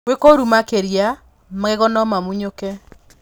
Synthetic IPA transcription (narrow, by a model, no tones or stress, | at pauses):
wekoɾumakeɾja | maɣɛɣɔnɔmamuɲokɛ